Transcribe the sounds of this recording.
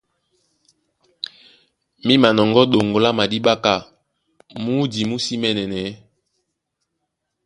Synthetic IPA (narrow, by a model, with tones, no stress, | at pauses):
mi˦ma˨nɔ˨ŋɡɔ˦ɗo˨ŋɡo˨la˦ma˨di˦ɓa˦ka˦˨ | mu˦di˨mu˦si˦mɛ˨nɛ˨nɛ˨˦